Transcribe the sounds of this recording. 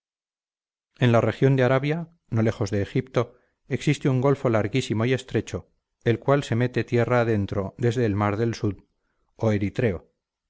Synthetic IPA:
e̞nlare̞xjo̞nd̪eaɾaβja | no̞le̞xo̞zðe̞ːxipt̪o̞ | eksist̪euŋɡo̞lfo̞laɾɣisimo̞ie̞st̪ɾe̞t͡ʃo̞ | e̞lkwalse̞me̞t̪e̞t̪je̞raːðe̞nt̪ɾo̞d̪e̞zðe̞ːlmaɾðe̞lsuð | oe̞ɾit̪ɾe̞o

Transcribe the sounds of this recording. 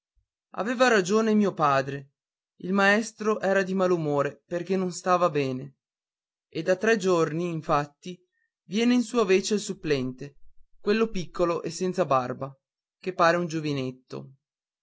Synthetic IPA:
a̰veːvaɾad͡ʒoːnemiːopaːd̪ɾe | ilmaɛst̪ɾoʔɛːɾad̪imalumoːɾeperk̟enːonst̪aːvabɛːne | ed̪at̪ːɾɛd͡ʒorniːɱfat̪ːi | vjɛːneinsuːaveːt͡ʃelsupːlɛnt̪ekwelːopikʰːoloʔesːɛnt̪sabarba | kepːaːɾeund͡ʒovinet̪ːo̰

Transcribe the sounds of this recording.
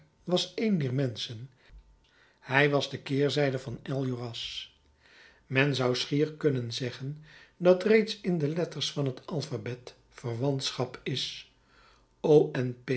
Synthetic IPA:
ʋɑsejndɛːɹmɛnsən | hɛjʋɑzdəkɪːɹzɛjdəvɑnɛlˠjyrɑs | mɛnzɑwsχiːɹkɵnənzɛχəndɑtrejtsɪndəlɛtəɹsfɑnɦətɑlˠfabɛt | fərʋɑntsχɑpɪs | owɛnp

